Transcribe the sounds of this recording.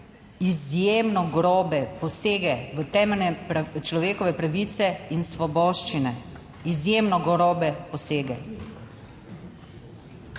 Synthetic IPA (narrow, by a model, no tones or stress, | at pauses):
izjeːmnɔɡɾɔːbɛpɔseːɡɛʋət̪ɛːmɛlnɛɾt͡ʃlɔʋeːkɔʋɛpɾaʋit̪sɛinsʋɔbɔːʃt͡ʃinɛ | izjeːmnɔɡɔɾɔːbɛpɔseːɡɛ